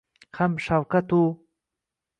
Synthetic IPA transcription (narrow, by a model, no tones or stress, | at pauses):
xamʃawkat̪u